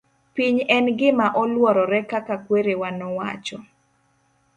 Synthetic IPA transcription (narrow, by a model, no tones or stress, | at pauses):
piɲɛnɡɪmaʔɔlwɔɾɔɾɛkakakweɾewanɔwa̰t͡ʃɔ